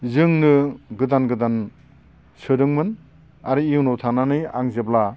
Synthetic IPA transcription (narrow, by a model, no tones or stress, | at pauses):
zɯŋnɯɡɯdanɡɯdan | sɯdɯŋmɯn | a̰ɾɯiunowtʰananɯja̰ŋzebla